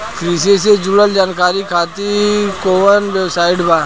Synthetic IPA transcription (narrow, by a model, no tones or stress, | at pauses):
kɾiːsesed͡ʒʊləld͡ʒaːnkaːɾikʰaːt̪ikoːʋənʋɛbsaːɪʈbaː